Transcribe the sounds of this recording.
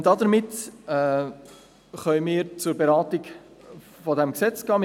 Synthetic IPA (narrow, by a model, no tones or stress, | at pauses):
d̥ɑd̪əɾmɪtɛ | χœʏmɪːɾt͡sʊɾbeɾɑːtɪɡ | fɔdɛmksɛt͡sɡ̥ɑːm